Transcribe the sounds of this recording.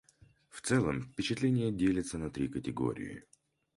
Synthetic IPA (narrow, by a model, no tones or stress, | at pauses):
ft̪sɛlˠəmfʲpʲɪt͡ɕɪt̪lʲenʲɪjədʲelʲɪt̪sənɐt̪ɾʲikətʲɪɡo̰ɾʲɪ̰jɪ̰